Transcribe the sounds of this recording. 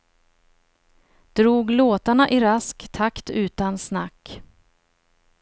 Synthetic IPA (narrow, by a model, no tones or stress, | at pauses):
d̪̥ɾuːɡloːt̪aɳaʔɪɾaskt̪ʰakt̪ʉ̟ːt̪ansnakː